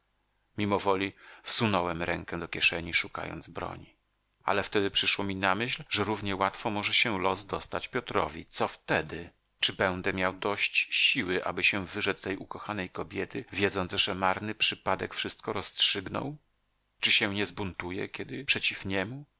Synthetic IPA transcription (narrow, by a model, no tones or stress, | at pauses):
mʲimɔvɔlʲifsunɔwɛmɾɛŋkɛd̪ɔkʲɛʂɛɲiʂuka̰jɔ̰nd̪zbɾɔ̰ɲi | a̰lɛft̪ɛd̪ɘpʂɘʂwɔmʲinamɘɕlʐɛɾuvɲɛwat̪fɔmɔʐɛɕɛlɔsd̪ɔst̪at͡ɕpʲjɔt̪ɾɔ̰vʲit̪sɔft̪ɛd̪ɘ | t͡ʂɘbɛñd̪ɛmʲjawd̪ɔɕt͡ɕɕiwɘʔa̰bɘɕɛvɘʐɛt̪st̪ɛjʔukɔxanɛjkɔbʲjɛt̪ɘvʲjɛd̪zɔnzʐ̥ɛmaɾnɘpʂɘpad̪ɛkfʂɘst̪̚kɔɾɔstʂɘɡnɔ̰w | t͡ʂɨɕɛ̃ɲɛzbunt̪ujɛ̰kʲɛd̪ɘpʂɛt͡ɕifɲɛmu